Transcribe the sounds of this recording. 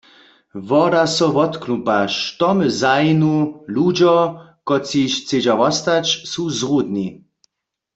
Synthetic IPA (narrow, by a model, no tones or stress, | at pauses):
vɔdasɔvɔt̪knupaʃt̪ɔmzajinulud͡ʒɔkɔt͡siʃt͡sed͡ʑavɔst̪at͡ʃsuzʁud̪ni